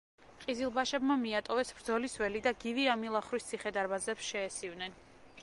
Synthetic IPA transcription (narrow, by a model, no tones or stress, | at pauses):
qʼizilˠbaʃɛbmamiat̪ʼɔvɛsb̥ɾd̪zɔliswɛlid̪aɡiviamilˠaχɾist̪sʰiχɛd̪aɾbazɛpsʃɛːsivnɛn